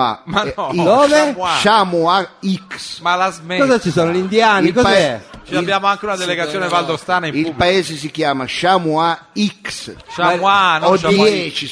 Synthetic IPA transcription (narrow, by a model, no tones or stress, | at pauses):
a̰maid̪oːveʃamuaiksmalazmekɔzat͡ʃːisoːnolind̪jaːnilkɔpzɛt͡ʃiabːjaːmoaŋkeunad̪eleɡat̪sːjoːnevald̪ost̪aːnaĩmilbpaeːzes̬ikjaːmaʃamua | iksʃaanodɛt͡ʃi